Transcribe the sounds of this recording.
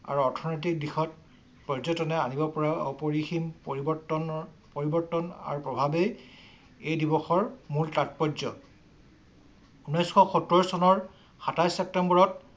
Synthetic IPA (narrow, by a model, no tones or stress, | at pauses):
a̰ɹuɔɹtʰɔnɔjt̬ik̚dixɔt̚ | pɔzɔtɔnɛanibɔpɔɹaɔ̰pɔɹiximɹibɔtɔn | poɹibɔɹtɔna̰ɹupɹɔbʱabej | ejdibɔxɔɹmultat̚pɔzɔ | unɔjsxɔxɔtɹɔɹɔsɔnɔɹ | xatajsɛp̚tɛmbɔɹɔt